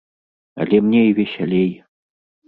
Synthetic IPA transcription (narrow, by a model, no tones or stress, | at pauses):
a̰lʲeɛmnʲeivʲeɕʲalʲej